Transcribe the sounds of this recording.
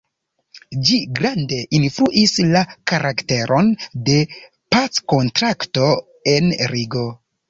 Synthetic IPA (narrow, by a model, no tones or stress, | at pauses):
d͡ʒiɡɾande̞ʔinfɾuʔislakaɾakte̞ɾʔo̞nde̞ | pat͡sko̞ntɾakto̞ | e̞nɾiɡo̞